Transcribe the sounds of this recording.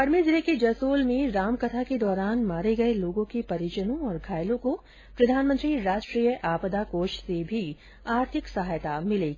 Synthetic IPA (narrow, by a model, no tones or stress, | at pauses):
pɐɾmid͡ʒɾekid͡ʒɐsoːlmẽɾaːmkɐt̪ʰaked̪ɔːɾaːnmaːɾeɡɐeloːɡõkipɐɾid͡ʒənõɔːɾɡʱaːjlõko | pɾɐd̪ʱaːnmə̃nt̪ɾiɾaːʃʈɾiːjəʔaːpəd̪akoːʃsebʱi | aːɾt̪ʰɪksɐɦaːjt̪amɪleːɡiː